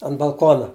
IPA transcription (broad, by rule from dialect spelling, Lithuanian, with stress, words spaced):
ɐn bɐlˠˈkoːnɐ